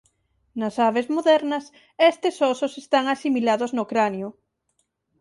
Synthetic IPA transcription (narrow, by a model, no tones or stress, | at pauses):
nɐsaβezmoðɛɾnɐs | est̪esɔsosest̪aŋasimilaðoznokɾanjʊ